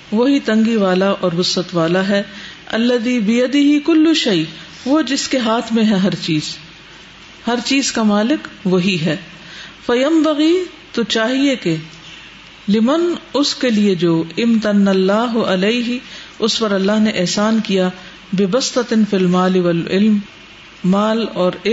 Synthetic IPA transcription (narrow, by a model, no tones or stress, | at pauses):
ʋoɦit̪ɐ̃ŋɡiʋaːlaʔɔːɾbʊsːət̪ʋaːlaɦɛ | ɐlːɐðiːbɪjɐd̪ɪɦɪkʊlːʊʃɐɪ | ʋod͡ʒɪskeɦaːt̪ʰmẽɦɛɦɐɾt͡ʃiːz̥ | hɐɾt͡ʃiːzkamaːlɪkʋoɦiɦɛː | fɐjɐmbɐɣiː | t̪ot͡ʃaːɦieke | lɪmɐnʊskelied͡ʒoːɪmt̪ɐnɐlːaːɦʊɐleɪɦɪʊspɐɾɐlːaːɦneʔɛɦsaːnkija | bɪbɐst̪ɐt̪ɪnfilmaːlɪʋɐlɪ̰lmː | aːlɔːɾɪ